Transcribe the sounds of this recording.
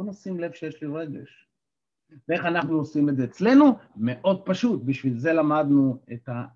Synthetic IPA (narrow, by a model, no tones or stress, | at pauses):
onosimle̞v̥ʃejeʃliʁe̞ɡe̞̰ʃ | vee̞χanaχnuosimedze̞ːt͡sle̞nume̞ʔo̞d̪̚paʃut̪̚biʃvilze̞lamad̪nueta